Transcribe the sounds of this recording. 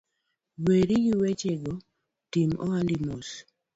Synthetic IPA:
weɾijiwet͡ʃeɡɔ | timɔ̰andimos

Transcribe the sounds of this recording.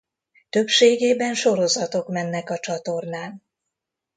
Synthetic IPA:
t̪ø̞pʃeːɡeːbɛnʃo̞ɾo̞zɒt̪o̞kmɛnːɛkɒt͡ʃɒt̪o̞rnaːn

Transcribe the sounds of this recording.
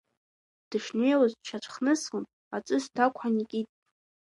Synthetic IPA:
d̥ɨʂnɥejwazt͡ʃʰat͡ʃʷʰʼχnɨsχɨnʼ | at͡sʼɨsdʰakʷʰanikʲʼitʼ

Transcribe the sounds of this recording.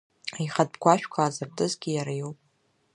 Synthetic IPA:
ajχad̚bɡʷaʃᶣkʷʰaːzɨrtʼɨzɡʲijaɾajowpʼ

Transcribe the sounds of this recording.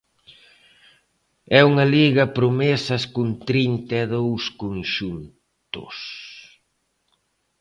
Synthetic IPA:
ɛuŋɐliɣɐpɾomɛsɐskunt̪ɾint̪ɛðowskonʃun | t̪ʊ̰s

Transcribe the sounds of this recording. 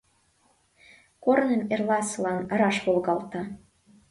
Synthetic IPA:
kornəmerlɑsəlɑnə̆ɾɑʃβolɣɑlt̪ɑ

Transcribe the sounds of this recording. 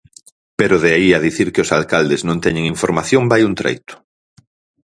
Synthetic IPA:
peɾʊðeaiaðiθiɾkɪosalkald̪ɪznõnt̪ɛɲeŋiɱfoɾmaθjõmbajunt̪ɾḛjt̪ʊ̥

